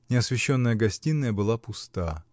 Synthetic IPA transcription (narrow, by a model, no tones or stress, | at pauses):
nʲɪɐsvʲɪɕːo̞nːəjəɡɐsʲtʲinːəjəbɨlˠapʊst̪a